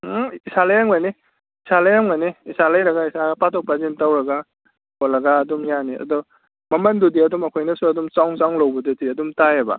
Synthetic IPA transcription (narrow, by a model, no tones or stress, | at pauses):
isalɐjaŋmajni | isalɐjaŋmajniisalajɾɐɡaisapatʰok̚pazintawɾɐɡa | kɔlːɐɡaːdumjaniɐ̰dɔ | mɐmɐndudiɐdumɐkʰojnɐsuɐdumt͡ʃawŋsawŋlɐwbɐdutiɐdumtajebɐ̰